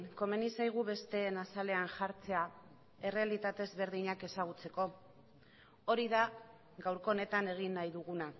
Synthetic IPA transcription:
ko̞me̞nisajɣ̞uβe̞st̪e̞ːnasale̞anʝaɾt͡se̞a | e̞re̞alit̪at̪e̞zβe̞ɾðiɲake̞saɣ̞ut͡se̞ko̞ | o̞ɾiða | ɣawɾko̞ːne̞t̪ane̞ɣ̞inːajðuɣ̞una

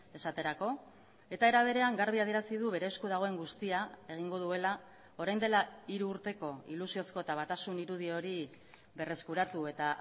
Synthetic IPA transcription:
e̞sat̪e̞ɾako̞ | e̞t̪ae̞ɾaβ̞e̞ɾe̞aŋɡaɾβiaðieɾasið̞uβe̞ɾe̞skuðaɣ̞o̞e̞ŋɡust̪iaeɣ̞iŋɡo̞ðue̞la | o̞ɾajnd̪e̞laiɾuːɾt̪e̞ko̞ḭlusio̞sko̞et̪aβ̞at̪asuniɾuð̞io̞ɾi | βe̞re̞skuɾat̪ue̞t̪a

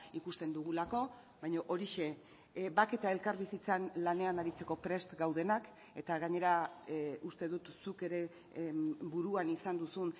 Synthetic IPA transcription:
ikust̪e̞nd̪uɣ̞ulako̞ | βajɲoʔo̞ɾiʃe̞ | bake̞t̪ae̞lkaɾβisit͡sanlane̞anaɾit͡se̞ko̞pɾe̞st̪ɡawð̞e̞nak | e̞t̪aɣaɲe̞ɾa | ust̪e̞ðut̪suke̞ɾe̞ | buɾuanisand̪usun

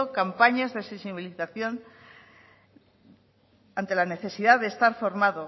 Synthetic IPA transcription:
okampaɲazðesesiβiliθaθjo̞n | ant̪e̞lane̞θe̞siðaðe̞ːst̪aɾfo̞ɾmaðo

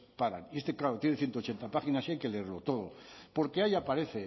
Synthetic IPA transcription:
paɾa̰niest̪eklaɾot̪jeneθje̞nt̪ot͡ʃe̞nt̪apaxinasiajke̞leeɾlo̞t̪o̞ð̞o̞po̞ɾke̞ajapaɾe̞θe

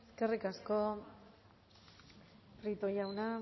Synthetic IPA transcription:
eske̞rikasko̞ | pɾit̪ojawna

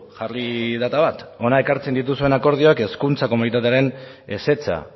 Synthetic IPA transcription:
ʝarliðat̪aβat̪o̞naekaɾt͡se̞nd̪it̪̬usue̞nako̞ɾðioake̞skunt͡sako̞munit̪at̪eaɾe̞ne̞se̞t͡sa̰

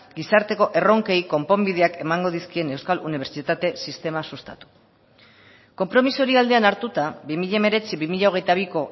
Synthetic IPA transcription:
ɡisaɾt̪e̞ko̞ʔe̞ro̞ŋke̞jko̞mpo̞mbiðe̞ake̞maŋɡo̞ð̞iskie̞ne̞wskaluniβ̞eɾt͡sit̪at̪e̞sist̪e̞masust̪a̰t̪u̥ | ko̞mpɾo̞misuoɾiald̪e̞anaɾt̪ut̪abimiʎame̞ɾe̞t͡siβimiʎaoɣ̞e̞jt̪aβ̞iko̞

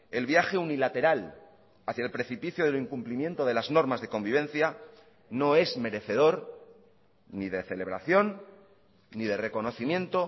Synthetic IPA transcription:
e̞lβjaxe̞unilat̪e̞ɾal | aθjaelpɾe̞θipiθjoðeliŋkumplimjẽ̞nt̪oðe̞lazno̞ɾmazðe̞ko̞mbiβ̞e̞n̟θja | no̞e̞zme̞ɾe̞θe̞ð̞o̞ɾ | niðe̞θe̞le̞β̞ɾa̰θjo̞nː | iðe̞re̞ko̞no̞θimje̞nt̪o̞

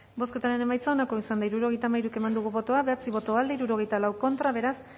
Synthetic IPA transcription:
bo̞ske̞t̪aɾe̞ne̞majt͡sao̞nako̞isand̪aiɾuɾo̞ɣ̞e̞jt̪amajɾuke̞mand̪uɣ̞uβo̞t̪o̞aβe̞at͡siβo̞t̪o̞ald̪eiɾuɾo̞ɣ̞e̞jt̪alawko̞nt̪ɾaβe̞ɾas

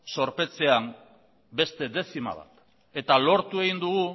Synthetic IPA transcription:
so̞ɾpe̞t͡se̞am | be̞st̪e̞ðe̞θima̰βa̰t̪ | e̞t̪alo̞ɾt̪ue̞ɣind̪uɣu

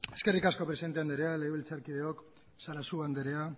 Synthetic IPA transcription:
e̞ske̞rikasko̞pɾesint̪eand̪eɾe̞aleeβilt͡saɾkiðe̞o̞k | saɾasuand̪eɾea

